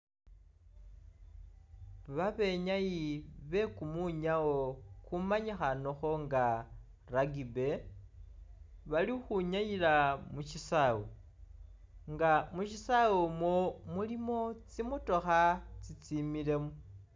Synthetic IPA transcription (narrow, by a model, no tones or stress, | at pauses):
βaβe̞ɲajiβe̞kumuɲaokumaɲixanoxo̞ŋɡa | raɡibe̞ | βalixuɲajilamuʃisawo | ŋɡamuʃisawomomulimo̞t͡simuto̞xat͡sit͡simile̞mu